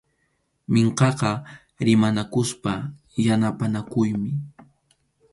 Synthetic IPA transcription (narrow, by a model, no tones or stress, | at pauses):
meɴqɑqɑ | ɾɪmanakʊspa | janapanakʊjmɪ